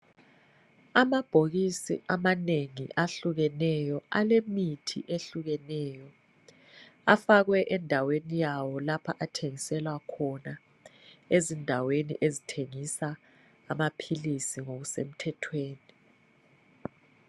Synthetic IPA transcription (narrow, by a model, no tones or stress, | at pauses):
amab̥ʱoɣisḭʔamaneŋḭʔaɬuɣɛnɛjɔalemitʰḭʔeɬuɣɛnɛːjɔ | afaɣwɛʔɛndʱawenijawɔlapʰaʔatʰeŋisɛlwakʰɔna | ezindʱawenḭʔezitʰeŋisaː | mapʰilisiŋoɣusḛm̩tʰɛtʰweːni